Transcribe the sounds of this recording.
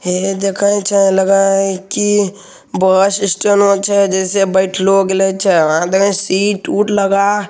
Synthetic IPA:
ɦed̪ekʰə̃t͡ʃʰələɡəki | bəsɪsʈənot͡ʃʰɛd͡ʒɛːsebəɪʈʰloɡelet͡ʃʰɛãd̪ekʰə̃siːʈuːʈʰləɡa

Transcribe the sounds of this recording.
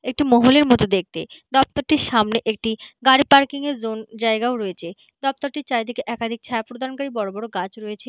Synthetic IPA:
ek̚ʈimɔɦoleɾmɔt̪od̪ek̚t̪ed̪ɔp̚t̪oɾʈiɾʃamneʔek̚ʈiɡaɾipaɾkiŋeɾzond͡ʑaeɡaoɾɔet͡ɕʰe | d̪ɔp̚t̪oɾʈiɾt͡ɕajd̪ʱekeʔɛkad̪ʱik̚t͡ɕʰaeapɾod̪ʱaɾonkaɾibɔɾobɔɽoɡat͡ɕɾɔet͡ɕʰe

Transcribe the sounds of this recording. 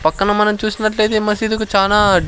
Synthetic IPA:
pɐkːɐnɐmɐnɐmt͡ʃuːsinɐʈle̞ːd̪emɐsid̪ikut͡ʃaːlaː

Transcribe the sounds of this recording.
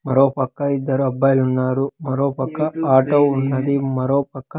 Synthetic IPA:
mɐɾoːpɐkːɐid̪ːɐɾuɐbːɐːjlunːaːɾumɐɾoːpɐkːɐaːʈoːunːɐd̪imɐɾo̞ːpɐkːɐ

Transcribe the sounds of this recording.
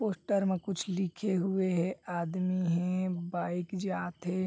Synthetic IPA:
poːsʈəɾmẽkʊt͡ʃʰlɪkʰeɦʊeɦɛaːd̪miɦɛ̃baːɪkd͡ʒaːt̪ɦɛ

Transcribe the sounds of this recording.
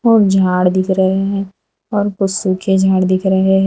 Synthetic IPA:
ɔːɾd͡ʒʱaːɽd̪ɪkʰɾɐɦeɦɛ̃ː | ɔːɾpʊsukʰed͡ʒʱaːɽd̪ɪkʰɾəɦeɦɛ̃ː

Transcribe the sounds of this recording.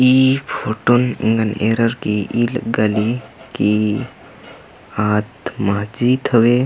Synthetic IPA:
iːpʰoːʈunḭ̃ŋɡənḛːɾəɾkiilɡaliki | aːt̪maɦd͡ʒiːt̪ʰəʋeː

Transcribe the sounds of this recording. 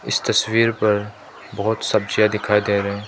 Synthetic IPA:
ɪst̪ɐswiːɾpəɾ | bɐɦʊt̪sɐb̚d͡ʒɪjad̪ɪkʰaːjd̪eːɾe

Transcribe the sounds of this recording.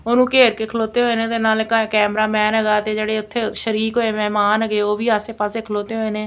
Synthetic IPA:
oːnũːkeːɾkeːkʰəloːt̪eːɦoːeːnẽːt̪eːnaːlkɛːmɾaːmɛːnəɡaːt̪eːd͡ʒeːɽeːʊt̪ʰːeːʃəɾiːkɦoːeːmɛːmaːnəɡeːoːʋiːaːseːpaːseːkʰəloːt̪eːɦoːeːnẽː

